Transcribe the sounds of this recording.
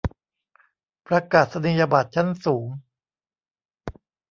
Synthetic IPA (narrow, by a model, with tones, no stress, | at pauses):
pɾa˧kaː˨˩t̪̚sa˧ni˧˩ja˧baː˨˩t̪̚t͡ɕʰa˦˥˩nsuː˩˦ŋ